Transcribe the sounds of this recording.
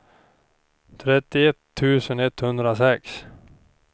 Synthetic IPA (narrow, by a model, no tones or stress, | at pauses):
t̪ʰɾɛt̪ːɪɛt̪ʰːʉ̟ːsənɛt̪ːhɵnd̪ɾasɛks